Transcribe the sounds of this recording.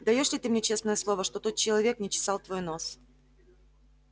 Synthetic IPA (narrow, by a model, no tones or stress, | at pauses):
d̪ɐjo̞ʂlʲɪt̪ɨmnʲet͡ɕe̞snəjəslˠo̞vəʂt̪o̞t̪ot̪̚t͡ɕɪlˠɐvʲe̞knʲɪt͡ɕɪ̥sɑlˠt̪vo̞jno̞s